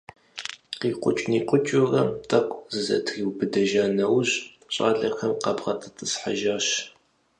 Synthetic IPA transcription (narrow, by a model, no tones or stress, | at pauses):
qiːqʷʼʊt͡ʃʼniːqʷʼʊt͡ʃʼurɐmtʼɐqʷzɨzɐ̰tʰriwbɨdɐʒaːnɐwʑ | ɕʼa̰ːɮɐxɐmqɐbʁɐtʰʼɨtʼɨsħa̰ʒaːɕ